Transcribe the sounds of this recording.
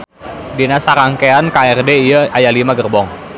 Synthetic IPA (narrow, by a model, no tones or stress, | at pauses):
dinasaɾaŋkeankaɛrdeijəʔajalimaɡərbɔŋ